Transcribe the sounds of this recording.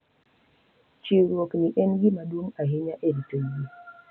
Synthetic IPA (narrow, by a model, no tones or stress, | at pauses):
t͡ʃiɾokniʔɛnɡimaɗumaɦiɲaʔenitoɡi